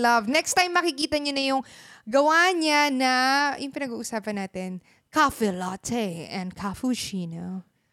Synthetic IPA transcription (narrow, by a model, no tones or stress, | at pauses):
lɐvnɛkst̪ajmːɐkɪkiːt̪ɐɲonɐjʊŋɡɐwaɲanɐjʊŋpɪnɐɡuːʔʊsaːpɐnːaːt̪ɛn | kafɛlat̪ʰɛʔɛ̃nd̪kʰafuʃino